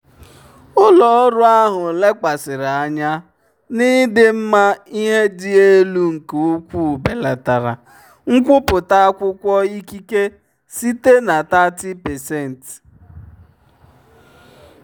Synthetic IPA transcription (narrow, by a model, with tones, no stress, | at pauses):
ʊ˦lɔ˨ɔ˦ɾʊ˦a˦ɦʊ˨le˦ka˨sɪ˨ɾa˦˨ɲa˦ | ni˦dɪ˦m̩˦ma˦i˦ɦe˦di˦e˦lu˦ŋ̩˨ko˨u˦kʷu˦˨be˨la˨ta˨ɾa̰˨ | ŋ̩˦kʷʊ˦pʊ˨ta˦kʷʊ˦kʷɔ˦i˦ki˦ke˦ | si˦te˦na˨ta˦ti˦pɛ˨se˦˨n̩˨t